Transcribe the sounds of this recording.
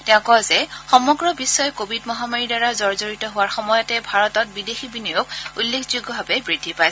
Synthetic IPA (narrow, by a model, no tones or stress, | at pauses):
tɛʊ̃kɔzɛxɔmɔɡɹɔbisːɔjɔkobʱidmɔɦamaɹidaɹazɔɹzoɹitɔɦʊwaɹxɔmɔjɔtɛbʱaɹɔtɔt̚bidexibinijokulːekʰzuɡɔbʱabɛbɹidʱipaj